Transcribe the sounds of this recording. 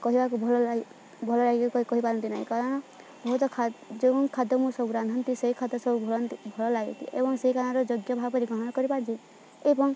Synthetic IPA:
kɔɦibakubʱɔlɔ | bʱɔlɔlaɡikɔɦipaɾɔnt̪inaɦḭ̃kaɾɔɽ̃ɔ | bɔɦut̪ɔkʰad͡ʒeɔŋkʰad̪ɔmusɔbuɾand̪ʱɔnt̪iseɦikʰad̪ɔsɔbʱubʱnt̪bʱɔlɔlaɡit̪ḭʔebɔŋseɦikaɽ̃ɔ̃ɾɔd͡ʒoɡjɔbʱaɡpɔɾiɡɔɦɔɽ̃ɔkɔɾipaɾɔnt͡ʃʰi | ebɔŋ

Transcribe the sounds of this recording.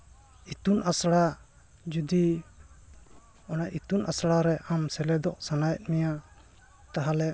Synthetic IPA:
it̪unʔasɽa | d͡ʒud̪i | ɔnajʔit̪unʔasɽaɾɛʔamsɛlɛd̪ɔʔsanajɛt̪̚mija | t̪aɦalɛ

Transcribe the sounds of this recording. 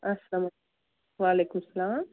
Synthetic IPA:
ɐsɐlamɐ | ʋaːleːkumsɐlaːm

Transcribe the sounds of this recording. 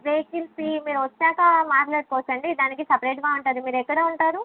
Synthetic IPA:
ʋeːkilsimiːɾuʋɔt͡ʃːaːkɐmaːʈlɐːʈkoʋːt͡ʃːɐɳɖid̪aːnikisɐpɐɾeːʈɡaːuɳʈɐːd̪imiːɾɛkːɐɽeːuɳʈaːɾu

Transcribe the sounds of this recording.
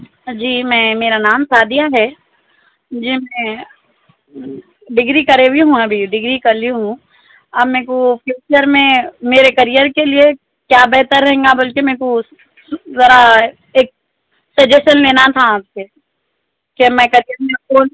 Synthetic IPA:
d͡ʒiːmɛ̃ːmeːɾanaːmsaːd̪ijaɦɛː | d͡ʒimɛ̃ | ɖɪɡɾikɐɾebiɦũɐbʱiɖɪɡɾikɐɾliɦũ | ɐbmɛ̃ːkopjuːt͡ʃəɾmẽmeːɾekɐɾijəɾkelie | kjaːbɛɦt̪əɾːɐɦẽːŋɡabɐlkemɛ̃ːko | zɐɾa | eːk̚ | sɐd͡ʒeʃənleːnat̪ʰaaːbse | kemɛ̃kɐɾijəɾmẽoːl

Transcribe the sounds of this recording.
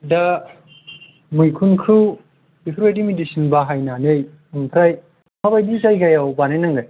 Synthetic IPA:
dɐ | mujkʰunkʰu̥ | ipʰɾejdimidisinbaɦajnanej | uŋpʰɾaj | pʰabajdikajɡajawbanejnɐŋɡaj

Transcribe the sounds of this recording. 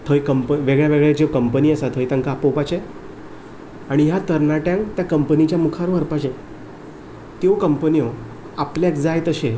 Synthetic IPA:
t̪ʰəjkəmpəʋeɡɭjaʋeɡɭed͡ʑekəmpəniːəsat̪ʰəjt̪ãŋkapopat͡ɕe | aɽ̃ijat̪əɾnaʈjãŋkt̪jakəmpənit͡ɕjamukʰaɾoʋəɾpaɕe | t̪jokəmpənio | apljakd͡zajt̪əɕe

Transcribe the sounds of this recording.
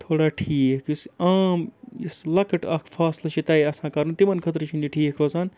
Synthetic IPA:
t̪ʰoːɽaːʈʰiːkkusaːmislɐkɐʈɐkʰfʰaːslɐt͡ʃʰit̪ɐiɐsãːkɐɾnt̪imɐnkʰɐt̪̬ɾt͡ʃʰiniʈʰiːkʰɾoːsaːn

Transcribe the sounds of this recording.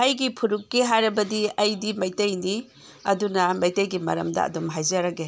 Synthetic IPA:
ɐjɡipʰuɾukːiɦajɾɐbɐdiɐjdimɐjtɐjni | ɐ̰dunɐmɐjtɐjɡimɐ̰ɾɐ̰mdɐ̰ɐ̰domɦajzɐɾɐɡe

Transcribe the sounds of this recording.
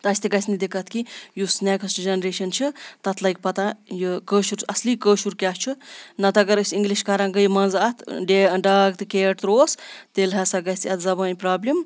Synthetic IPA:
t̪ɐsʲt̪eɡɐsʲnid̪ekʰɐt̪kijusnekɐsʈd͡ʒɐnɾeːʃɐnt͡ʃʰɨt̪ɐt̪ʰlɐjk̚pɐt̪ãjɨkəːʃuɾɐslikəːʃuɾkʲast͡ʃʰɨnɐt̪ɐɡɐɾəsʲiŋɡliʃkaɾãːɡəjmɐnzɐt̪ʰɖeɖaːɡt̪ɨkeːʈ̪ɾoːst̪elɦɐsɐɡɐsʲsʲiɐt̪ʰzɐbaːnʲpɾaːblʲim

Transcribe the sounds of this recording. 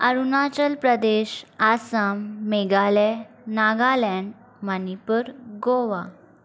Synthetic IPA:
əɾunat͡ɕəlpɾəd̪eɕasamːeɡalɛ | naɡalɛn | manipəɾɡoʋa

